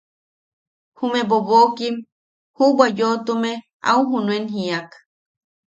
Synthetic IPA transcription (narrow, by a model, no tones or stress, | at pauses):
humẽboβokim | hubwajot̪ume | a̰uɦunũenɦiak